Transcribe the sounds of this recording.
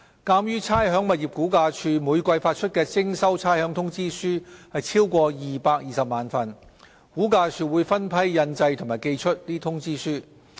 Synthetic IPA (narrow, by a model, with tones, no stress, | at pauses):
kaː˧mjyː˥t͡sʰaː˥jɦœː˨˥ŋmɐ˨˩t̚ji˨p̚kuː˨˥kaː˧t͡ʃʰyː˧muː˨˧jkʷɐ˧jfaː˧t̚t͡ʃʰɵ˥t̚kɛː˧t͡sɪ˥ŋsɐ˥wt͡sʰaː˥jhœː˨˥ŋt̪ʰʊ˥ŋt͡siː˥syː˥hɐ˨jt͡sʰiː˥wkʷɔː˧jiː˨paː˧k̚jiː˨sɐ˨p̚maː˨nfɐ˨n | kuː˨˥kaː˧t͡ʃʰyː˧wuː˨˧jfɐ˥npʰɐ˥jːɐ˧nt͡sɐ˧jt̪ʰʊ˨˩ŋmaː˨˩jke˧jt͡ʃʰɵ˥t̚liː˥t̪ʰʊ˥ŋt͡siː˥syː˥